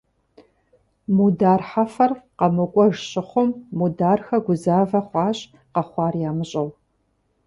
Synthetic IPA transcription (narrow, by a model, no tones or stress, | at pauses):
mudaːrħafɐrqɐmɨkʷʼɔʒɕʼɪχʷʊmːudaːrxɐɡʷʊzaːvɐχʷɑːɕʼ | qɐχʷɑːrjaːmɨɕʼɐw